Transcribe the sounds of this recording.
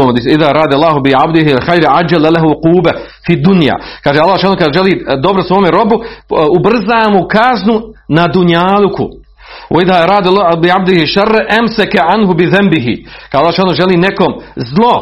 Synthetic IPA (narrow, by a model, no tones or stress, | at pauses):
omd̪isiðaːɾˤɑːd̪alːˠɑːɦubɪʕabd̪ɪɦialxajɾʕad͡ʒːalalaɦuquːbɐ | fid̪unja̰ːkaːʒeːalˠːaːʃaːnokad̪ʒeliːd̪obɾosʋoːmeɾo̞buubr̩zaːmukaznunad̪uɲaːlukʰṵ | woiðaːɾɑːd̪abɪʕabd̪ɪhiʃarːaʔamsakaʕanɦubɪðambɪɦɪ̰kad̪alˠːsʃaːnoʒeliːnekomzlˠo